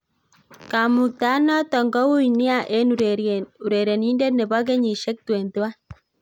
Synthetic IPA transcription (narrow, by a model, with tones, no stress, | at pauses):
ka˨mu˨k̚t̪a˨˦nɔ˦t̪ɔ˨ŋɡɔ˦wu˦i˨ni˦a˦˨ʔe˦n˨u˨ɾe˨ɾe˨ni˦nde˦tne˨βɔ˦k̬e˦ɲi˨ʃe˦k̚twe˨nd̪wa˦